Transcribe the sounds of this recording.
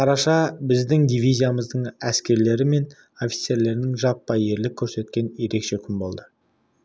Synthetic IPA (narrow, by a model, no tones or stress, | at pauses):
qʰɑɾɑʃɑbɪzd̪ɪŋd̪ijvijzʲijaməzd̪əɴæskʲe̞ɾle̞ɾɪme̞n | o̞fʲi̥t̪se̞ɾle̞ɾnɪŋʒɑpːɑje̞ɾlɪkʲʰːɵɾse̞t̪̚kʲe̞nje̞ɾe̞kʃe̞kʲʰɪmbo̞lˠd̪ə